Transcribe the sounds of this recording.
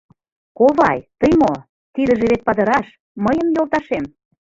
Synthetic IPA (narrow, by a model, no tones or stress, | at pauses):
koβɑjt̪əjmo | t̪id̪ə̆ʒeβet̪̚pɑd̪ə̆ɾɑʃ | məjə̆mjolˠt̪ɑʃem